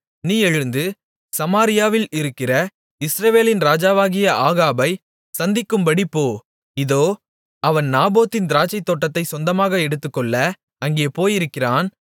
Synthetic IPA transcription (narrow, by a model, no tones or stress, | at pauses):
niːɛɻɯnd̪ɯ | sɐmaːɾɪjaːʋɪlɪɾɯkːɪrɐ | ɪsɾɐʋeːlɪnɾaːd͡ʒaːʋaːɣɪjɐʔaːɣaːbɐɪ | sɐnd̪ɪkːɯmbɐɽipːoː | ɪðoː | ɐʋɐnnaːboːt̪ːɪnd̪ɪɾaːt͡ʃːɐɪt̪ːoːʈːɐt̪ːɐɪsɔnd̪ɐmaːɣɐɛɽɯt̪ːɯkːɔɭːɐ | ɐŋɡeːpoːjɪɾɯkːɪraːn